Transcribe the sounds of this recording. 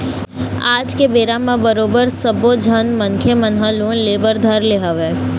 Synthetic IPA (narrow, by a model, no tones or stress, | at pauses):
aːd͡ʒkebeːɾamãbəɾoːbəɾsəbod͡ʒʱənmənkʰjəmənɦəlũleːbəɾd̪ʱəɾleɦəʋeː